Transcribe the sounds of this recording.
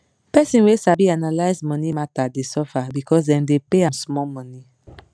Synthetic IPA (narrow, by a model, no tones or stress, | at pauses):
pɛsĩnwesabianalaɪzmɔ̃nimatadesɔfabikɔsdɛ̃mdepeãmsmɔmɔ̃ni